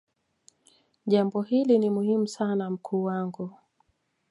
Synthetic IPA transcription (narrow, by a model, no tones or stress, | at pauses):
ʄambɔɦilinimuhimusanam̩kʰuːwaŋɡu